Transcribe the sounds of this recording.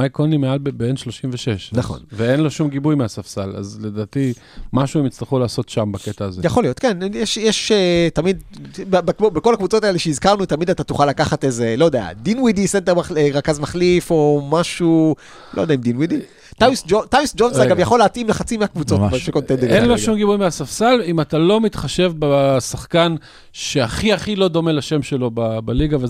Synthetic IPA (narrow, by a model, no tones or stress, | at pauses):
majkonimealbebeenʃloʃimveʃeʃnaχo̞̰nveenlo̞ʃumɡibujmeasafsala̰zled̪aːt̪i | maʃuɛmit͡sliχulaːso̞tʃambaket̪aːzejaχo̞lio̞tkenjɛʃjeʃetamid̪bbekbeko̞lakvut͡so̞taeleʃeizkaʁnut̪amid̪at̪atuχalːakaχatezelo̞jd̪ea̰dinwidisentemaχeʁakazmaχlifo̞maʃu | lojd̪aimd̪inwidi | t̪ajusd͡ʒotajusd͡ʒonsaɡavjaχo̞leatʔimlaχat͡simeakvut͡so̞tbeʃekont̪endeenloʃumɡibujmeasafsalimat̪alo̞mitχaʃe̞vbasaχkan | ʃeaχiaχilo̞d̪o̞melaʃe̞mʃelo̞babaliɡave